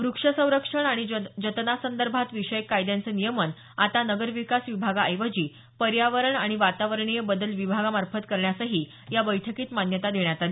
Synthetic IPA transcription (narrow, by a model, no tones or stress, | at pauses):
ʋɾukʂəsə̃w̃ɾəkʂəɳaɽ̃id͡ʑət̪nasənd̪əɾbʱat̪ʋiʂəjkːajd̪jant͡sənijəmən | at̪anəɡəɾʋikasʋibʱaɡaəjʋəd͡ʑiː | pəɾjaʋəɾəɳaɽ̃iʋat̪aʋəɾɳijəbəd̪əlʋibʱaɡamaɾfət̪kəɾɳjasəɦiː | jabəjʈʰəkiːt̪manjət̪ad̪ʱeɳjat̪ali